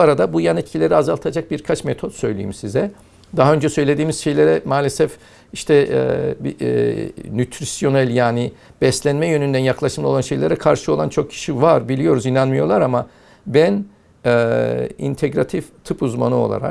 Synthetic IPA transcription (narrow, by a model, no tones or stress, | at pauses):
aɾad̪abujanit̪cʰilʲe̞ɾiazalˠt̪ʰad͡ʒak̚biɾkʰat͡ʃmet̪ʰo̞t̪sø̞jlʲḭːimsizɛ | d̪aɦaø̞nd͡ʒɛsø̞jlʲe̞d̪iːmiz̥ʃe̞jlʲeɾɛmaːlʲesɛf | iʃt̪ʰɛbi | nyt̪ʰɾisjo̞nælʲjaːnɪb̥ɛslʲænmɛjønynd̪ænjaklˠaʃɯmlˠao̞lˠanʃe̞jlʲeɾɛkʰaɾʃɯo̞lˠant͡ʃʰo̞k̚cʰi̥ʃivaɾbilʲijo̞ɾuzinanmɯjo̞lˠaɾama | bæn | ɛḭnt̪ʰeɡɾat̪ʰift̪ʰɯpuzma̰nɯo̞̰lˠa̰ɾa̰k